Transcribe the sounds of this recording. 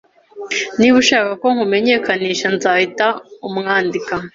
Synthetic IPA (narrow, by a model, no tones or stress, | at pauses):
niβuʃaːkako̞ŋ̥hume̞ɲe̞ːkaniːʃanzaːhitaumŋaːndika